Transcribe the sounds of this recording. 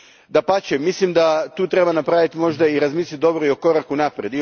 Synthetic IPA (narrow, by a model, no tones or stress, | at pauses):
d̪apat͡ɕemislimd̪at̪uːt̪ɾe̞banapɾaʋit̪imo̞ʒd̪aiɾazmiːslʲit̪̚d̪o̞bɾoio̞ko̞ɾakunapɾed̪i